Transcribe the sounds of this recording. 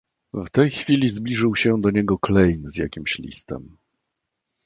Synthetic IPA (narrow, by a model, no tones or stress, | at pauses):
vt̪ɛjxfʲilʲizblʲiʐɘwɕɛd̪ɔɲɛɡɔklɛjnzjakʲimɕlʲḭst̪ɛ̰m